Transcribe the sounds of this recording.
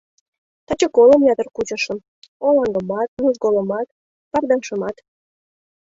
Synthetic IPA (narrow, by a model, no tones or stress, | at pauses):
t̪ɑt͡ɕəkoləmjɑt̪ərkut͡ɕəʃə̆m | olɑŋɡəmɑt̪̚nuʒɡoləmɑt̪ | pɑrd̪ɑnʃə̆mɑt̪